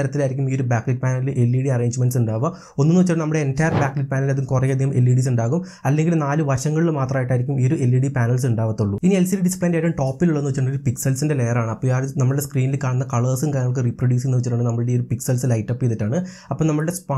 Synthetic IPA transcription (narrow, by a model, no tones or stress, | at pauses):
ɐɾɐt̪ːilaːjɾikʲːumioɾubaːkliʈ̚paːnɐlilɨʔe̞lːiːɽiɐreːɲd͡ʑmenɖsuɳɖaːʋɐ | onːunːuʋɐt͡ɕːɐʈːɳnɐmːuɽe̞entɐjɐrbjaːkliʈ̚paːnɐlɐðumkurɐjɐd̪ʱihɐmʔe̞̰lːiːɽiːs̬uɳɖaːɣum | ɐlːe̞ŋɡilnaːlɨʋɐrɕɐŋːɐɭilmaːt̪rɐmaːjiʈːaːjɾikʲːumiɾue̞lːiːɽipaːnɐls̬uɳɖaːʋɐt̪ːuɭːuinielsilɖispeːndaːjɾumʈoːpːiluɭːɐenːʋt͡ɕːʈːɐɳːoɾupiksɐlsinde̞le̞jɐraːɳɨɐpːoːaːɾnɐmːɐɭɨɽeskriːnilkaːɳunːɐkɐɭəːsɨmkaːnːɐɐk̬ːeriproɖjuːsenːuʋt͡ɕːiʈːaːɳɖɨnɐmːɐɭɨɽeoɾupiksɐlsɨlɐjʈːɐpːijɐðitːaːɳɨ | ɐpːoːnɐmːɐɭɨɽespa